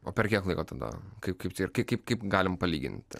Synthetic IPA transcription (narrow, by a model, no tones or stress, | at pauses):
oːpʲɛɾkʲiɛklˠɐɪkoːt̪ɐd̪ɐ̰kɐɪpkɐɪpt̪ʲːkɐɪkɐɪpkɐɪpɡɑːlʲɪmpɐlʲiːɡʲɪ̰nʲt̪ʲɪ̰